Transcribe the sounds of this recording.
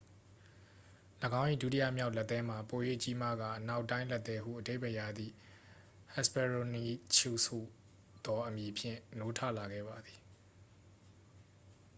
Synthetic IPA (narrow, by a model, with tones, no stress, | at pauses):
ləɡã˦ʊ̃ʔḭ˦˨du˦ti˦jä̰˦˨mja˦ʊlɛ˦t̪ːɛ̃˦m̥a˨po˨jḛ˦˨t͡ɕi˦ma̰˦˨ɡa̰˦˨ʔəna˦ʊʔtːã˦ɪ̃lɛ˦˨t̪ːɛ˦ɦṵ˦˨ʔəde˦ɪ˨bɛ˨ja˨d̪ðḭ˦˨ | hɛ˦˨spɛ˨ɹo˨ni˦t͡ɕʰu˦˨sṵ˦˨ | d̪̥ɔ˨ʔəmji˨pʰjɪ̰̃˦˨no˦tʰa̰˦˨la˨ɡɛ̰˦˨ba˨d̪i̥˨